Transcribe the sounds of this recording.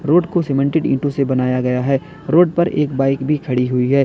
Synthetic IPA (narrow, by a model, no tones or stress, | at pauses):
ɾoːɖkoseːmɛ̃ɳʈɪɖɪ̰̃ːɳʈõsebɐnaːjaɡɐjaɦɛː | ɾoːɖ̚pɐɾḛːk̚baːɪkbʱikʰɐɽiɦʊiɦɛː